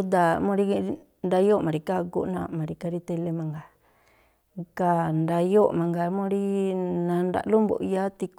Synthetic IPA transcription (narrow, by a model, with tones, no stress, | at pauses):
u˧˦d̪a˧mõ˧ɾi˦ | nd̪a˧jo˦˨mã˨ɾi˧ka˦kṵ˦ʔnã̰˧˨mã˨˧ɾi˧ka˧ɾi˧t̪e˧le˧mã˨ŋɡa˨ | ka˧nd̪a˧jo˦˨mã˨ŋɡa˧˦mõ˦˧˦ɾi˦nã˧nda̰˧˨lo˦mbo̰˨ʔja˦t̪i˧k